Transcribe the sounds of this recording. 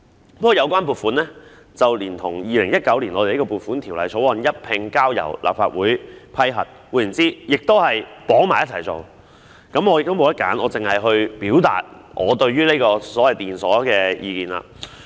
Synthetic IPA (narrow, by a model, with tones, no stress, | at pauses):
pkːjɐ˨˧wk̬ʷwʷaː˥np̬uː˨˩t̚fuː˨˥nlɛː˥ | t͡sɐ˨wliː˨˩nt̪ʰʊ˨˩ŋjiː˨˧lɪ˨˩ŋjɐ˥t̚kɐ˨˥wli˨˩nɔ˨˧˨kɔ˧puː˨˩t̚fuː˨˥nt̪ʰiː˨˩wlɐ˨˧jt͡sʰo˨˥wɐ˨˧njɐ˥t̚pʰɪ˧ŋkaː˥wjɐ̰˨˩wlʔa̰ː˨p̚faː˧t̚wuː˨˥jpʰɐ˥jɦɐ̰˨˩t̚wuː˨˥jnt͡siː˥jɪ˨k̚t̪o˥whɐ˨˩jpɔː˨˥ŋmaː˨˩jɐ˥t̚t͡sʰɐ˨˩jt͡so̰˨˧w | kɐ˨˥mɔː˨˧jɪ˨kt̪o˥wmo˨˧jɐ˥t̚kaː˨˥nʔɔ̰ː˨˧t͡sɪ˨ŋhɐ˨jɦɵ˧ɥpiː˨˥wt̪a̰ː˨t̚ʔɔː˨˧t̪ɵ˧ɥɥyː˥le˥kɔː˧sɔː˨˥wɐ˨jt̪iː˨nsɔː˨˥kɛː˧jʔiː˧kiː˨˩nla̰ː˧